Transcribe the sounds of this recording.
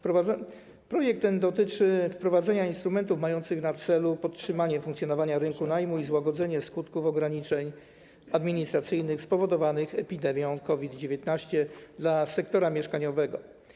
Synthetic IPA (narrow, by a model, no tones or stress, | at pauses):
pɾɔvaɛ | pɾɔjɛk̚t̪ːɛnd̪ɔt̪ɘt͡ʂɘfpɾɔvad̪zɛɲainst̪ɾumɛnt̪ufmajɔnt̪sɘɣnat̪sɛlupɔt̪̚tʂɘmaɲɛfuŋkt̪sʲjɔnɔvaɲaɾɘŋkunajmuizwaɡɔd̪zɛɲɛskut̪kufɔɡɾaɲit͡ʂɛɲ | ad̪mʲiɲist̪ɾat̪sɘjnɘxspɔvɔd̪ɔvanɘxɛpʲid̪ɛmʲjɔ̃w̃kɔvʲid̪d͡ʑevʲjɛt̪naɕt͡ɕɛd̪lasɛk̚t̪ɔɾamʲjɛʂkaɲɔvɛɡɔ